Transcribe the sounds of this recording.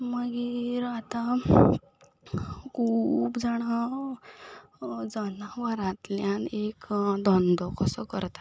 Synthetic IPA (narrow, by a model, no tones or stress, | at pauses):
məɡiɾat̪a | kʰuːpd͡zaɽa | d͡zənaʋəɾãt̪ljanekd̪ʱɔnd̪ɔkəsəkə̰ɾt̪ḁ